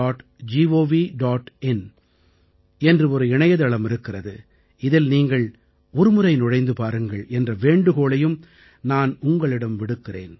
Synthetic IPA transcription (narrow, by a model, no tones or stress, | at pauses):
aːʈ | d͡ʒiːʋoːʋiɖaːʈɛn | ɛndrɯɔɾɯɪɳɐjɐðɐɭɐmɪɾɯkːɪrɐðɯ | ɪðɪlniːŋɡɐɭ | ɔɾɯmɯrɐɪnɔɻɐɪnd̪ɯpaːɾɯŋɡɐɭʔɛndrɐʋeːɳɖɯɣoːɭɐjɯm | naːnʊŋɡɐɭɪɽɐmʋɪɽɯkːɪrḛːn